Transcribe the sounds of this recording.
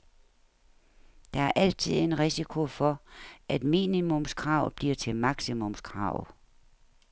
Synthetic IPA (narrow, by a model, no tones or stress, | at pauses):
d̥ɑ̈æɐʔæl̰̥̚t͡sʰið̞̰ˠe̝nʁisikʰo̝fɒ̽ʔæd̥mḭːnimɔmskʰʁɑ̈ʊ̰b̥liɐ̰t͡sʰe̝lmɑ̈ɡ̥simɔ̽mskʰʁɑ̈ʊ